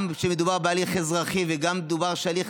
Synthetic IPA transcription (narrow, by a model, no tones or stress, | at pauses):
mʃemed̪ubaʁbealiχezʁaχiveɡamːd̪ubaʁʃaliχ